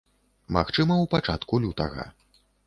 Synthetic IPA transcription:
ma̰xt͡ʂɨmɐwpat͡ʂat̪kulʲut̪ɐ̰ɣɐ̰

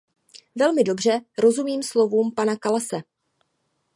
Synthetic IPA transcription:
vɛlmɪdo̞br̝ɛɾo̞zumiːmslo̞vuːmpanakalasɛ

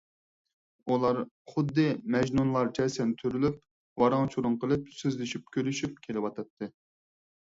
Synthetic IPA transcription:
ulˠɑɾ | χʊd̪ːɨmɛʒnunlˠɑɾt͡ʃʰɛsɛnt̪ʰøɾylyp̚ | wɑɾɑŋt͡ʃʰuɾʊŋqəlˠɨp̚søzlɪʃyp̚kʲʰølyʃyp̚kʲʰelɪwɑt̪ʰɑt̪ʰːɨ

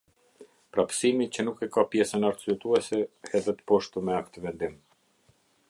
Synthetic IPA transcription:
pɾapsimit͡ɕənukɛkapjɛsənaɾt̪zyɛt̪uɛsɛhɛðɛt̪ə̥pɔʃt̪umɛakt̪əvɛnd̪im

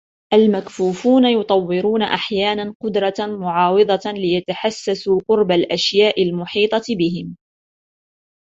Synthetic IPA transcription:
ʔalmakfuːfuːnajʊt̪ˤɑwːɪɾuːnaʔaħjaːnanqʊd̪ɾˤɑmʊʕɑːwɨd̪ˤɑlɪjat̪aħasːasuːqʊɾbalʔaʃjaːʔɪlmʊħiːt̪ˤɑbɪɦɪm

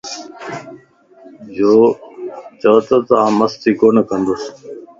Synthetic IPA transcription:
d͡ʒoː | t͡ʃəːt̪ət̪ãːməst̪iːkoːnəkə̃nd̪os

